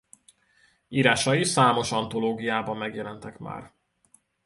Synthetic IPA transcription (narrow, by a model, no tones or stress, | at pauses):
iːɾaːʃɒisaːmo̞ʃɒnt̪o̞loːɡijaːbɒmːɛɡjɛlɛnt̪ɛkma̰ːr